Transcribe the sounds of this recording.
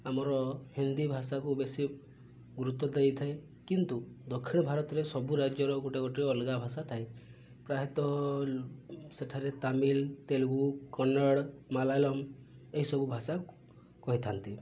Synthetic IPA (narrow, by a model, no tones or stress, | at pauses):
amɔɾɔhind̪ibʱasakubesi | ɡuɾut̪ːɔd̪ejt̪ʰae | kint̪ud̪ɔkʰːiɽ̃ɔbʱaɾɔt̪ɔɾesɔbuɾad͡ʒjɔɾɔɡoʈeɡɔʈiɾeɔlɡabʱasat̪ʰaj | pɾaɦit̪ɔ | seʈʰaɾet̪amilt̪elɡukɔnɔɽmalajlɔmeɦisɔbubʱasaku | kɔɦit̪ʰant̪i